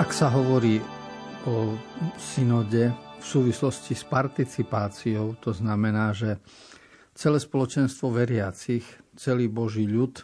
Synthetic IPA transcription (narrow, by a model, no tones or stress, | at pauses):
ʔaksaɦɔʋɔɾiː | ɔsinɔɟɛfsuːʋislɔscispaɾt̪it͡sipaːt͡siɔʊt̪ɔznamɛnaːʒɛ | t͡sɛlɛːspɔlɔt͡ʃɛnst̪ʋɔʋɛɾɪat͡sixt͡sɛliːbɔʒiːʎut̪